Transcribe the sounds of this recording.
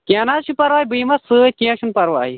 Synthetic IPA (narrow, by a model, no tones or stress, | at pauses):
kianazʃʰupɐɾʋaːjbɨmɐsɨt̪̚ʲkĩãʃunpɐɾwa̰ːi